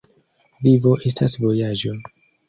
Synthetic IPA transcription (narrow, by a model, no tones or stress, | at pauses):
vivo̞ʔe̞s̬tasvo̞jad͡ʒo